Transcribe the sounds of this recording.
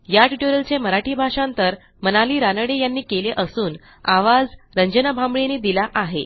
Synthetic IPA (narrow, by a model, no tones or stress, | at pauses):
jaʈiʈoɾəlt͡ɕeməɾaʈiːbʱaʂant̪əɾ | mənaliːɾanəɽejanːiːkeleʔəsuːn | aʋad͡zɾəɲd͡ʑənəbʱambɭeniːd̪ilaʔaɦe